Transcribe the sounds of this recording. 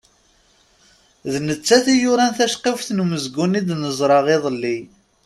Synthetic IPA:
ðnət͡sːæθijʊɾænθæʃqefθnuməzɡunid̪nəzˤɾˤɑʁeðˤəlːi

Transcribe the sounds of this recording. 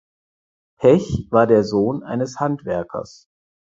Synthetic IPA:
pʰɛçv̥aːɐdeːɐzoːnʔa̰ɪnəshantv̥ɛɐkʰɐ̰s

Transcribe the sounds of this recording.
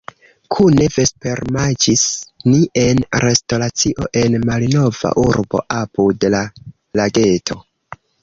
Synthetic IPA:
kʰune̞ve̞spe̞ɾmad͡ʒisniʔe̞nɾʔe̞sto̞ɾat͡siʔo̞ʔe̞nmalno̞va̰ʔuɾbo̞̰ʔapudela | laɡe̞tʰo̞

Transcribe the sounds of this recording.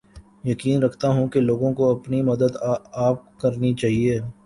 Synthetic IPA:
jɐkiːnɾɐkʰt̪aɦũkeloːɡõkoɐpnimɐd̪əd̪aːp̚kɐɾnit͡ʃaːɦieː

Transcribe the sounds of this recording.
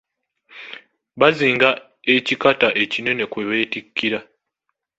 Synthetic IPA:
βaziːŋɡa | e̞cikataʔe̞cine̞ne̞kwe̞βe̞ːtikʰːiɾa

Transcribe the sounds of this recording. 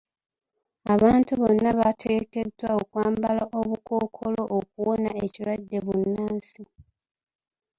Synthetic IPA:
aβaːntuβo̞nːaβatʰeɡeke̞dwaokwaːmbalaʔo̞βukʰo̞ːkʰo̞lo̞ʔːk̚uwonae̞ciɾwadːe̞βunːaːnsi

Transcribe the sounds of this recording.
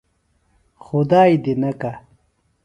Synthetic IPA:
xud̪aːjd̪inɐka

